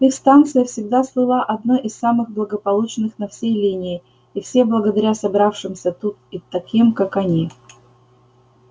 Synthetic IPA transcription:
ixst̪ant̪sɨjəfsʲɪɡ̚d̪aslˠɨlˠaʔɐd̪naʔɪsːamɨɣblˠəɡəpɐlˠut͡ɕnɨxnɐfsʲejlʲinʲɪː | ɪfsʲeblˠəɡəd̪ɐɾʲasɐbɾafʂɨmsʲət̪ut̪̚ɪt̪ɐkʲimkakɐnʲi

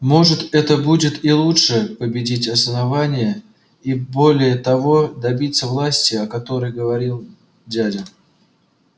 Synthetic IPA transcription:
mo̞ʐɨt̪ɛt̪əbudʲɪt̪ilˠutʂɨpəbʲɪdʲitʲɐsənɐvanʲɪjə | ibo̞lʲɪjət̪ɐvo̞d̪ɐbʲit̪sːəvlˠasʲtʲɪɐkɐt̪o̞ɾəjɡəvɐɾʲilˠ | dʲadʲɪn

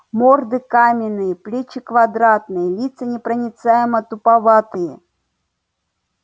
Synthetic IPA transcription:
mord̪ɨkamʲɪnːɨjəplʲet͡ɕɪkvɐd̪ɾat̪nɨjəlʲit̪sənʲɪpɾənʲɪt̪sajɪmət̪ʊpavat̪ɨjə

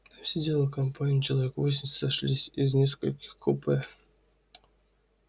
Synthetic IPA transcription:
fsʲedʲelˠəkɐmpanʲit͡ɕɪlˠɐvʲekvos̬ʲɪmʲsaʂlʲisʲizʲnʲeskə̰lʲkʲɪ̥xkupe

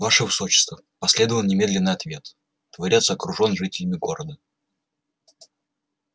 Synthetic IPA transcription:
vaʂɨvɨso̞t͡ɕɪ̥st̪və | pɐsʲlʲe̞d̪əvəlˠnʲɪmʲe̞d̪lʲɪnːɨjɐt̪vʲe̞t̪ | t̪vɐɾʲat̪səɐkɾʊʐo̞nʐɨtʲɪlʲɪmʲɪɡo̞ɾəd̪ə

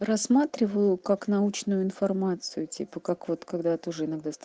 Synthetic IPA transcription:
rɐsmat̪ɾʲɪvəjʊkaknɐut͡ɕnʊjʊɪnfɐrmat̪sɨjʊtʲḭpəkakvo̞t̪kɐɡd̪at̪oʊʐɨɪnɐɡd̪ast̪

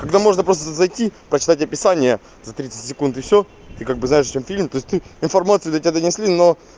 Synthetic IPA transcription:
kɐɡd̪amo̞ʐnəpɾo̞st̪əzɐjtʲipɾət͡ɕɪ̥t̪atʲɐpʲɪsanʲɪjə | zɐt̪ɾʲit̪sɨ̥tʲsʲɪkunt̪ɨfsʲo | t̪ɨkaɡ̚bɨznajɪʂt͡ɕemfʲilʲmt̪oɪsʲtʲt̪ɨɪnfɐrmat̪sɨjʊd̪ətʲɪbʲad̪ənʲɪsʲlʲino

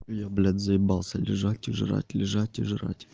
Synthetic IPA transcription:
jablʲad̪zəɪbalˠsʲəlʲɪʐatʲɪʐɨ̰ɾa̰tʲlʲɪʐatʲɪ̰ʐɨɾa̰tʲ

